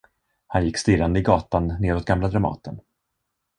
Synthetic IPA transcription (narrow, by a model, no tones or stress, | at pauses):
hanjɪkːst̪ɪɾand̪əɪɡɑːt̪anːeːɾɔt̪̚ɡamlad̪ɾamɑ̰ːt̪ʰən